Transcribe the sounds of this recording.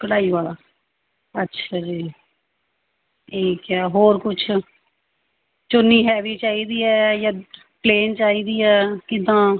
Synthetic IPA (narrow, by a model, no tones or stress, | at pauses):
kəɽaːiːʋaːlaː | ətːʃʰad͡ʒeː | eːkaːɦoːɾkʊt͡ʃʰ | t͡ʃonːiːɦɛːʋiːt͡ʃaːiːd̪iːɛːjãː | pleːnt͡ʃaːiːd̪iːɛːkɪd̪ãː